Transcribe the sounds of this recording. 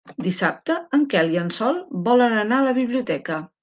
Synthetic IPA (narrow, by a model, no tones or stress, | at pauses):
d̪isap̚t̪əəŋkɛliənsɔlˠbɔlənənaələβiβliut̪ɛkə